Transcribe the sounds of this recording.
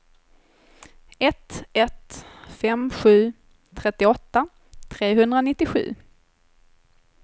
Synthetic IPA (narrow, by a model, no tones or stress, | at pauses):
ɛt̪ɛt̪fɛmɧʉ̟ː | t̪ʰɾɛt̪ːɪɔt̪ːa | t̪ʰɾeːɦɵnd̪ɾanɪt̪ːɪɧʉ̟̰ː